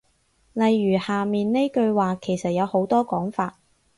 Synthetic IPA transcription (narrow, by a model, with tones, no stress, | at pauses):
lɐ˨jːyː˨˩haː˨miː˨nne˥jkɵ˧ɥwaː˨kʰe˨˩jsɐ˨t̚jɐ˨˧who˨˥wt̪ɔː˥kɔː˨˥ŋfaː˧t̚